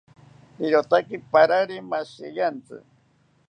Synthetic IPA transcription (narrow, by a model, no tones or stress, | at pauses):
iɾot̪akipaɾaɾimasḭjant͡sɨ̰